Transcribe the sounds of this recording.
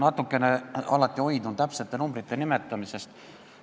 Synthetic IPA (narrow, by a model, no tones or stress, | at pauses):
nɑt̪ːukːˑe̞ne̞ɑ̰lɑt̪ːˑio̞jd̪unt̪æpset̪ːˑe̞numbrit̪ˑːe̞nimet̪ːˑɑmise̞st̪